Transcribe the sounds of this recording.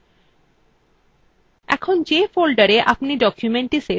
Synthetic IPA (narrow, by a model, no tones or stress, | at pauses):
ɛ̰kʰond͡ʑefolɖaɾeʔapniɖɔkjumeɳʈise